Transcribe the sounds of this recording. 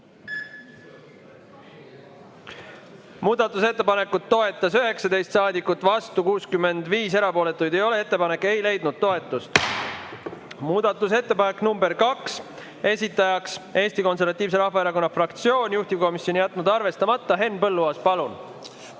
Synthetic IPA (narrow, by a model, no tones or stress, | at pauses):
muːd̪̥ɑt̪ːˑuse̞t̪ːepɑne̞kːˑut̪t̪ːo̞e̞t̪ːˑɑsyɦe̞ksɑd̪e̞jst̪sɑːd̪ikːˑut̪ːˑvɑst̪ukuːskymːe̞nd̪viːse̞ɾɑpo̞ːle̞t̪ːˑujd̪ejo̞le̞e̞t̪ːe̞pɑne̞kːˑe̞jle̞jd̪nud̪̥̚t̪o̞e̞t̪ːˑust̪ | muːd̪̥ɑt̪ːˑus̬e̞t̪ːe̞pɑne̞kːˑnumbeɾkɑks | e̞sʲit̪ːˑɑjɑkse̞ːst̪iko̞ns̬e̞rvɑt̪ːˑiːvs̬e̞ɾɑhvɑeɾɑko̞nːɑfrɑkt̪sio̞ːnʲjuht̪iko̞misjo̞nʲijæt̪ˑːnud̪ɑrve̞st̪ɑmɑt̪ˑːɑɦe̞nːpɤlːuɑspɑlun